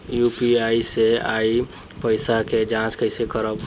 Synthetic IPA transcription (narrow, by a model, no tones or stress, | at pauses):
jupiaisea̰i | pəɪsaked͡ʒãskəɪsekəɾəb